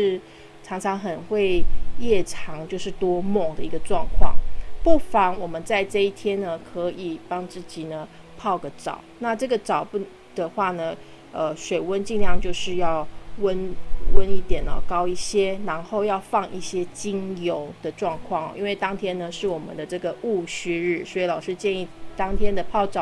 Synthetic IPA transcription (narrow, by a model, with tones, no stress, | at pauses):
ʂɻ̩˥˩ | ʈ͡ʂʰɑ˧˥ŋʈ͡ʂʰɑ˧˥ŋxə˨˩nxwe˥˧ɪjɛ˥˩ʈ͡ʂʰɑ˧˥ŋt͡ɕjo˥˧ʊʂɻ̩˥˩t̪wɔ˥mɔ˥˩ŋd̪ə˨i˧˥ɡə˧ʈ͡ʂwɑ˥˧ŋkʰwɑ̰˥˩ŋpu˥˩fɑ˨˩˦ŋwɔ˨˩mə˨˦nt͡sa˥˧ɪʈ͡ʂɤ˥˧i˥˩t̪ʰjɛ˥nnə˨kʰɤə˧˦i˨˩pɑ˥ŋt͡sɹ̩˥˩t͡ɕi˨˩nə˩ | pʰɑ˥˩ʊɡə˩ʈ͡ʂɑ̰˨˩˦ʊna˥˧ʈ͡ʂɤ˥˩ɡə˩ʈ͡ʂɑ˨˩ʊp | d̪̥ə˩xwa˥˩nə˩ | ə˧ʂwe˨˩ɪwə˦nt͡ɕi˥˧ŋljɑ˥˧ŋt͡ɕjo˥˧ʊʂɻ̩˥˧jɑ˥˩ʊwə˦nwə˦ni˥˩t̪jɛ˨˩nə̰˨˩kɑ˥ʊi˥˩ɕjɛ˥na˧˥nxo˥˧ʊjɑ˥˧ʊfɑ˥˧ŋi˥˩ɕjɛ˥t͡ɕi˥ŋjo˧˥ʊd̪̥ə˨ʈ͡ʂwɑ˥˧ŋkʰwɑ˥˩ŋɔ̰˩ʔi˥nwe˥˩ɪt̪ɑ˥ŋt̪ʰjɛ˥nə˨ʂɻ̩˥˩wɔ˨˩mə̰˦nd̪ə˦ʈ͡ʂɤ˥˩ɡə˩u˥˩ɕy˥ɻɻ̩˥˩swɔ˧˥i˨˩lɑ˨˩ʊʂɻ̩˥˧t͡ɕjɛ˥˧ni˥˩t̪ɑ˥ŋt̪ʰjɛ˥nd̪ə˨pʰɑ˥˩ʊʈ͡ʂɑ˨˩